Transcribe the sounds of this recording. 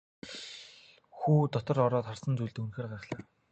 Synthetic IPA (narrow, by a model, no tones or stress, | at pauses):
xuːt̪ɔt̪ɞ̆rɔɾɔːt̪χarsə̆nt͡sujɮt̪unxeːrɢaɾə̆χɮaː